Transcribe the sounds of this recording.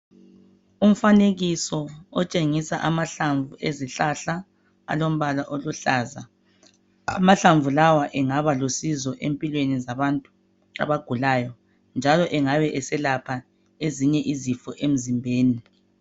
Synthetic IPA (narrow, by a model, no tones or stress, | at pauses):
um̩faneɣisɔɔt͡ʃʼeŋisaʔamaɬaɱvuʔeziɬaɬa | a̰lom̩βalaʔoluɬaːza̰ | a̰maɬaɱvʱulawaʔɛŋaβalosizɔʔempʼilwenizaβantʼu̥ | a̰βaɡ̥ʱulajɔ | nd͡ʒʱalɔʔɛŋaβɛʔɛsɛlapʰa | eziɲɛʔizifɔʔem̩zimbʱeːni